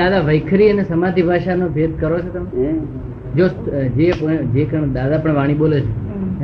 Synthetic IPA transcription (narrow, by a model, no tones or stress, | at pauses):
ad̪aʋəjkʰɾiənesəmad̪ibʱaʃanobʱed̪̚kəɾot͡ʃʰet̪əme | d͡ʒosd͡ʒepod͡ʒekəɳd̪ad̪apəɳʋaɽ̃iɓolet͡ʃʰe